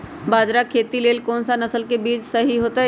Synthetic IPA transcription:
baːd͡ʒɾakʰeːt̪ileːlkɔːnsanɐsəlkebiːd͡ʒsɐɦiɦoːt̪aɦ

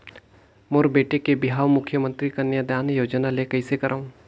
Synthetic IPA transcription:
moːɾbeːʈekebɪɦaːʋmʊkʰjəmə̃nt̪ɾikanjad̪jaːnjoːd͡ʒnalekɐisekɐɾʔaːũː

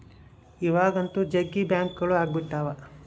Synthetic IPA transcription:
iʋaːɡɐnt̪ud͡ʒɐɡːibjaːŋkɡɐɭuaːɡbiʈːaːʋɐ

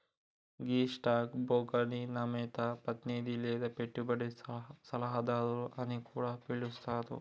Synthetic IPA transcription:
ɡiːʂʈaːkboːɡɐninɐmeːt̪ɐpɐt̪nid̪ilːeːd̪ɐpeʈːubɐɽesɐlɐɦɐd̪aːd̪ɐɾuʔɐnikuːɽɐpiɭːust̪aːt̪ṵ

